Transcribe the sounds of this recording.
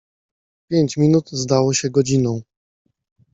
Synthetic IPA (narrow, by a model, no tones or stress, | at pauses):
pʲjeɲt͡ɕmʲinut̪zd̪awɔɕɛɡɔd͡ʑinɔ̃w̃